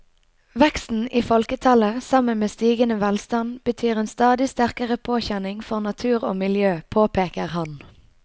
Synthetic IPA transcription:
ʋɛkst̪n̩ʔiːfɔlkət̪ʰɑləsɑmənmeːst̪iːɡənəʋælst̪ɑnb̥ət̪ʰyːʁeːnst̪ɑːd̪ɪst̪æʁkəʁəpʰoːçænɪŋfɔʁnɑt̪ʰʉːʁo̰ːmɪljøːpʰoːpʰeːkəʁhɑn

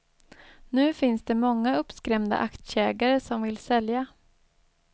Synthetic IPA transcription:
nʉ̟ːfɪnsd̪ɛmɔŋːaɵpːskɾɛmd̪a̰ʔakt̪ɕɛːɡaɾəsɔmvɪlsɛlja

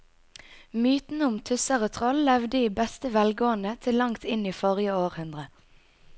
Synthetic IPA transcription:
myːt̪n̩əʊmt̪ʰʉsəʁət̪ʰʁɔllɛʋd̪əiːbɛst̪əʋɛlɡoːənət̪ʰɪlːɑŋt̪ʰɪniːfɔʁjəoːʁhʉnd̪ʁə

